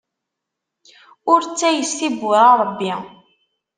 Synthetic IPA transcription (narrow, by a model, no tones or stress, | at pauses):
ʊɾt͡sːæjəsθibwæʁɾˤəbːi